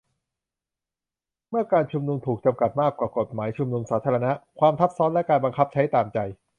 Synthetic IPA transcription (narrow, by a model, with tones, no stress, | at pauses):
mɯ˥˩ɐkaː˧nt͡ɕʰu˧mnu˧mt̪ʰuː˨˩k̚t͡ɕa˧mka˨˩t̪̚maː˥˩kːwaː˨˩ko˨˩t̪̚maː˩˦jt͡ɕʰu˧mnu˧msaː˩˦t̪ʰaː˧ɾa˧na˦˥kʰwaː˧mt̪ʰa˦˥p̚sɔː˦˥nlɛ˦˥kaː˧nba˧ŋkʰa˦˥p̚t͡ɕʰa˦˥jt̪aː˨˩mt͡ɕa˧j